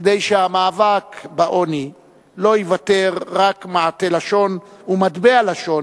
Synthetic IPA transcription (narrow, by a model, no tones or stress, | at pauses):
d̪ejʃeamaːvakbaʔo̞ni | lo̞ivat̪eʁːakmaʕat̪elaʃo̞numad̪bealaʃo̞n